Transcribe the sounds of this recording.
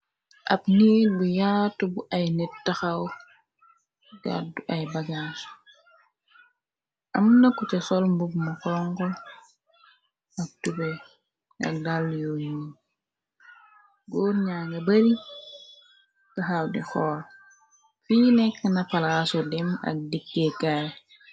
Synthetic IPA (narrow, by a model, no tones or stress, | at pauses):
ʔɐ̰pnibujaːtːubuʔɐjnɛttːɐxɐw | ɡa̰duʔɐjbɐɡasu̥ | ʔɐmnɐkːɔcɛsɔlmbubmɐkɔŋkɔ | ɐk̚tubɛ | ɐ̰k̚daljoji | ɡɔɲaːŋɡɐbɐɾi | taxawdixɔːɾ | fiːnɛkːənɐpalaːsudɛmɐ̰k̚dikːekaj